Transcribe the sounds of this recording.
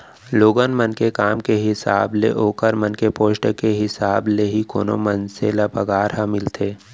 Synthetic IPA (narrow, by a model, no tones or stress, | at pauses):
loːɡənmənkekaːmkeɦɪsa̰ːblḛʔoːkəɾmənkepoːʃʈəkeɦɪsaːbleɦiko̰ːno̰mɐnselɐpɐɡaːɾɦamɪlt̪ʰeː